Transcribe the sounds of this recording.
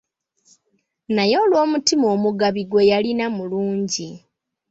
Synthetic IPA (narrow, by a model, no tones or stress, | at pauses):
najo̞ːlwo̞ːmutimo̞ːmuɡaβiɡwe̞jalinamuluːɲɟi